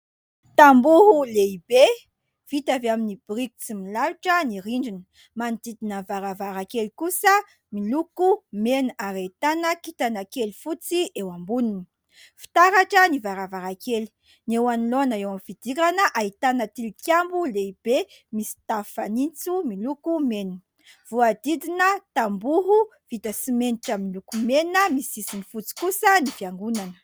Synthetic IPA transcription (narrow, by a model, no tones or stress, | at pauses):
t̪ambuɦuleibe | v̥it̪aveaminibriku̥t͡similaɾiʈ͡ʂəniɾiɳɖ͡ʐinə̥ | mant̪id̪inəvaɾavaɾakelikusə | milukumenaɾait̪anəkit̪anakelifut͡siʔewambunini̥ | fi̥t̪aɾaʈ͡ʂənivaɾavaɾakeli̥ | newaniloanəewamifid̪̥iɾanəʔaɦit̪anət̪ilikjambuleib̥e | misi̥t̪afanint͡sumilukumenə | v̥uad̪id̪inət̪ambuɦuvit̪əsimeniʈ͡ʂamilukumenəmisisinifut͡si̥kusənifiaŋɡunanə̥